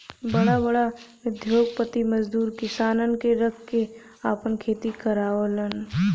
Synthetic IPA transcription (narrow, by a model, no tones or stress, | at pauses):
bɐɽabɐɽaʋɪd̪ʱjoːɡ̚pət̪imɐzd̪uːɾkɪsaːnənkeɾɐkʰːe | aːpənkʰeːt̪ikəɾaːələn